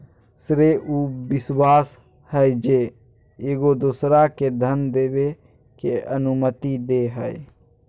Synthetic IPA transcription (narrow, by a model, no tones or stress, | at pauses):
sɾeʔubiswas | həjd͡ʒe | eɡod̪oːsɾaked̪ʱənd̪ebe | keənumət̪id̪eɦəj